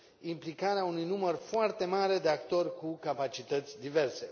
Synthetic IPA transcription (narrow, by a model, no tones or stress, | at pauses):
implikaɾeaunujnumərfoart̪e̞maɾe̞d̪eakt̪o̞rʲkukapat͡ʃit̪ət̪sʲd̪ive̞rse̞